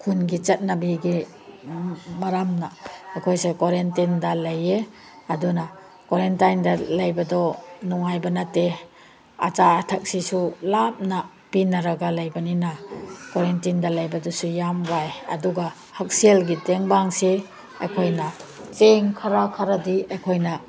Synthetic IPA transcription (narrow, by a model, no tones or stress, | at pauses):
kʰunɡit͡ʃɐt̚nabiɡi | maɾamnaakʰojsekoɾentindalaje | aduna | koɾentajndalajbadɔnuŋajbanate | a̰t͡ʃaːtʰak̚sisulap̚na | pinaɾaɡalajbaninakoɾentindalajbadɔsujamwajɐ̰duɡa | hak̚sielɡiteŋbaŋse | a̰jkʰojnat͡ʃeŋkʰaɾakʰaɾadiajkʰojna